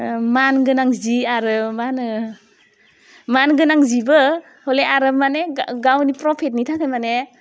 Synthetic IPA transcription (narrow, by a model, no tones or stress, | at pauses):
manɡɯnaŋziaɾɯmanɯ | manɡɯnaŋzibɯ | hɔleaɾɯpmaneɡawnipɾɔpʰet̬̚nitʰakʰajmane